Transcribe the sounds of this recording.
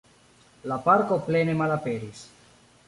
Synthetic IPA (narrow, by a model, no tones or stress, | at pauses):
lapaɾko̞plenemalapeɾis